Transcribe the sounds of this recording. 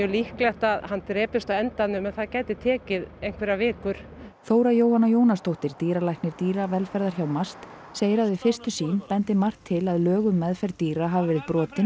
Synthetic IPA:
ɛlihklɛht̪aðhant̪ɾɛːpɪst̪awɛnt̪anʏmɛnθaðcaːjt̪ɪt̪ʰɛːcɪðejn̥kʰvɛɾavɪːkʏɾ̥ | θoːwɾajoːwhanːajoːwnast̪owht̪ɪɾ̥t̪iːɾalajhknɪɾt̪iːɾavɛlfɛɾðaɾ̥çawmast̪ | seːjɾaðɪfɪ̥st̪ʏsiːnpɛnt̪ɪmar̥t̪ʰːɪlaðlœːɣʏmːɛðfɛɾt̪iːɾaɦavɪvɛːɾɪðpɾɔːt̪ɪn

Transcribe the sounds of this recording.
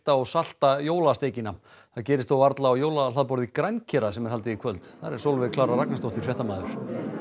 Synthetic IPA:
t̪aɔɣsal̥t̪ajoːwlast̪eːjcɪnːa | θacɛːɾɪst̪owvaɾt̪laːwjoːwlalaðpɔɾðikɾajncʰɛɾasɛmɛɾhalt̪ɪikʰvœlt̪θaɾɛɾ̥sowlvɪðkʰlaːɾaraknast̪owht̪ɪɾ̥fjɛht̪amaːðʏɾ̥

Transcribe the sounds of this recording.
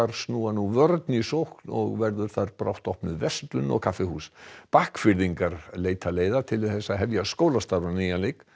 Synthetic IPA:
aɾ̥snuːanuvœɾt̪nisowhknɔ̰ɣvɛɾðʏɾ̥θaɾpɾawht̪ɔhpnʏðvɛst̪lʏnɔ̰ɣkʰafɪhṵːspahkfɪɾðiŋkaɾleːjt̪ʰaleːjðat̪ʰɪlɪθɛsːaɦɛvjaskoːwlast̪aɾanijalejk

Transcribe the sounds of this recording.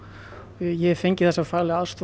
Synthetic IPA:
jɛɛɾfejɲcɪ̥θɛsːafaːɾlɪaðst̪v

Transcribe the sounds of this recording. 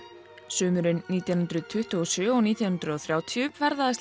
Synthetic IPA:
sʏːmʏɾʏnːiːt̪jawnʏnt̪ɾʏt̪ʰʏht̪ʏɔsʏːɔɣniːt̪jawh̪ʏnt̪ɾʏɔθɾjaːwt̪ʰijʏvɛɾðaðɛst

